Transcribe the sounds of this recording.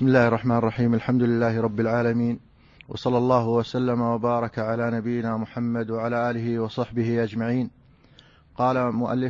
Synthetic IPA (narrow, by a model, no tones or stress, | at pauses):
ɪsmɪlːaːhɪrˤːɑħmaːnɪrˤːɑħiːmalħamd̪ʊlɪlːaːhɪɾˤɑbːɪlʕaːlamiːn | wʔɑ̰sˤɑlːɑlˤːɑːɦʊwasalːamawabɑːɾˤɑkaʕalaːnabɪjːɪnaːmʊħamːad̪waʕalaːʔaːlɪɦɪwɑsˤɑħbɪhɪʔad͡ʒmaʕiːn | qɑːlamʊʔa̰lːɪ